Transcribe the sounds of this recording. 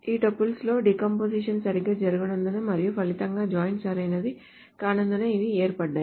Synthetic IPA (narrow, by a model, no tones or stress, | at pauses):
iːʈɐpːulslo̞ːɖikɐmpoːsiːʂɐnsɐɾiɡaːd͡ʒɐɾuɡunɐnd̪ɐnɐmɐɾijupʰɐlit̪ɐŋɡaːd͡ʒaːjnsaːɾɐjnɐd̪i | kaːnɐnd̪ɐnɐiʋieːɾpɐɖːaːj